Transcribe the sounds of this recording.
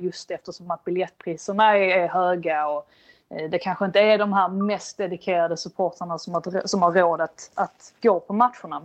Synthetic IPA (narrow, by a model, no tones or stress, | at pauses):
jɵst̪ɛft̪əʂɔmat̪̚bɪljɛt̪ːpʰɾiːsəɳaɛɛɾɦøːɡaɔ | d̪ɛkʰanɧəɪnt̪əæɖɔmɦæːɾmɛst̪̚d̪ɛd̪ɪkʰeːɾad̪əsɵpʰoːʈ̪ʰəɳasɔmasɔmhaɾːoːd̪ət̪at̪ɡ̥oːpʰɔmat̪ɧʊɳa